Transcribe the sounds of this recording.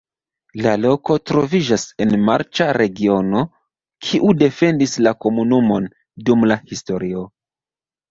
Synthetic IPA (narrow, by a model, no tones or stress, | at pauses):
lalo̞ko̞tɾo̞vid͡ʒase̞nma̰ɾt͡ʃaɾe̞ɡio̞no̞ | kʰiʔude̞fe̞ndislako̞munumo̞n | dumlahisto̞ɾio̞